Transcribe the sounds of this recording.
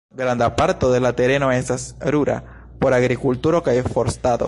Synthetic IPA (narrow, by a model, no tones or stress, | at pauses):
ɡɾand̪apaɾt̪oðelat̪eɾenoesasɾuɾa̰ | poɾaɣɾikult̪uɾokaefoɾst̪aðo̰